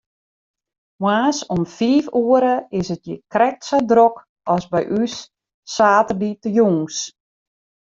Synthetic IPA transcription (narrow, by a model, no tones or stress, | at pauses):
mwaːsɔmfiːfuəɾəɪsət̚jəkrɛk̚tsədrok | ɔsbɛjʔysː | aːtərditəjuŋs